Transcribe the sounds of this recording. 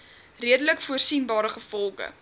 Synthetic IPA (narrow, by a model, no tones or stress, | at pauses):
riədələkfuərsinbɑːɾəχəfɔlˠχə̰